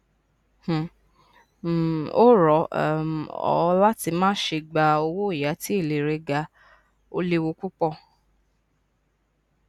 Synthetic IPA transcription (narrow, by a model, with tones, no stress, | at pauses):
h̩˨ | o˦ɾɔ˨˦ɔ̰˨˧˦la˦ti˧mãː˦ʃe˧ɡ͡ba˧o˧wo˦i˦˨ja˨˦ti˦e˦˨le˨ɾe˧ɡa˧ | o̰˦le˧wo˧˦ku˦k͡pɔ˦˨